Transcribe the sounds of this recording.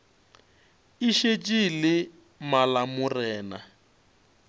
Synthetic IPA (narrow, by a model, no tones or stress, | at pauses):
iʃet͡ʃʼilɪ | malamʊrɛːna̰